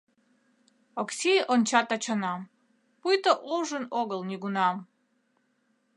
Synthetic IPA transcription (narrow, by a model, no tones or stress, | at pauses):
oksʲiʔont͡ɕɑt̪ɑt͡ɕanɑm | pujt̪əʔoʒənoɡəlˠnʲiɡunɑm